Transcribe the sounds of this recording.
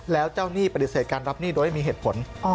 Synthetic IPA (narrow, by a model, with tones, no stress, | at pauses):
lɛː˦˥wt͡ɕaː˥˩wniː˥˩pa˧t̪i˨˩seː˨˩kaː˧nɾa˦˥p̚niː˥˩do˧jha˥˩mː˧ɦeː˨˩t̪pʰo˩˦n˧